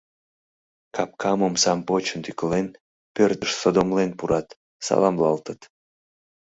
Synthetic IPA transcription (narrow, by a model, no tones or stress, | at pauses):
kʰɑp̚kʰɑmomsɑmpot͡ɕənt̪ykəlen | pørt̪əʃsod̪omlenpuɾʔɑt̪ | sɑ̰lˠɑmlɑlt̪ət̪